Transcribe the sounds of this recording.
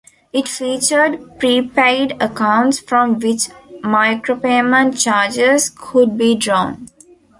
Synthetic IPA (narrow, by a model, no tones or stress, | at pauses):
ɪʈfiːt͡ʃəɾɖpɾipeɪɖəkãʊ̃ɳʈsfɾɔ̃mʋɪt͡ʃmaɪkɾopemə̃nt͡ʃaːɾd͡ʒezkʰʊɖ̚biːɖɾɔ̃ːn